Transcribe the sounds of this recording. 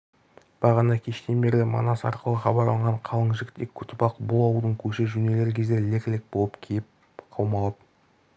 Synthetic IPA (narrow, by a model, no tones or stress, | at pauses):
b̥ɑʁɑnɑkʲʰe̞ʃt̪e̞nbe̞ɾlʲɪmɑ̰nɑsɑ̰ɾqəlˠəχɑbɑɾlˠɑɑəɴʁɑɴqʰɑlˠəɴʒɪkt̪ʰekʲʰːʏt̪ɪpɑqbʊlˠɑwəlˠd̪əɴkʲʰɵʃɪʒʏne̞le̞ɾkʲʰe̞zd̪elekʲlɪk̚bo̞lˠəpkʲʰejɪp̚ | qʰɑwmɑlˠɑp